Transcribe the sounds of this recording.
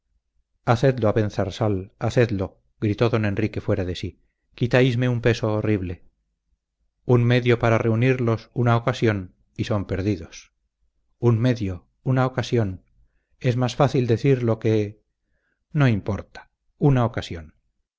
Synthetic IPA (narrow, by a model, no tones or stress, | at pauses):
aθe̞d̪loaβe̞n̟θaɾsalaθe̞ðlo̞ | ɡɾit̪o̞ðo̞nẽ̞nrike̞fwe̞ɾaðe̞si | kit̪ajzme̞umpeso̞ːriβle̞ | unme̞ðjo̞paɾare̞uniɾlo̞sunaokasjo̞n | iso̞mpe̞ɾðiðo̞s | unme̞ðjo | unaokasjo̞n | e̞zmasfaθild̪e̞θiɾlo̞ke̞ | no̞impo̞ɾt̪ḁ | unaokasjon